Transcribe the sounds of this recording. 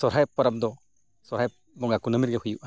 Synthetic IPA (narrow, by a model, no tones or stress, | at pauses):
sɔɾɦajpːaɾap̚d̪ɔ | sɔɾhajp | bɔŋakunəmiɾ̚ɡɛhujuʔa